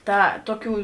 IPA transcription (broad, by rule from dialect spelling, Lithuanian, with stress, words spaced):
ˈtɐ ˈtoːˌkʲuː